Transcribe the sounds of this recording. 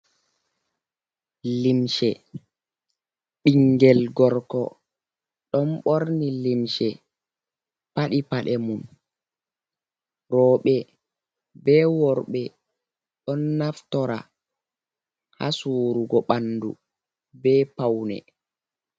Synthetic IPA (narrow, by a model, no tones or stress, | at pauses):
limʃɛ | ɓiŋɡɛlɡɔɾkɔ̰ | ɗɔnɓoɾnilimʃɛ | paɗipaɗɛmun | ɾɔːɓɛ | bɛːwɔɾɓɛ | ɗɔnːaftɔɾa̰ | ha̰suːɾuɡɔɓanːdṵ | bɛːpawnɛ̰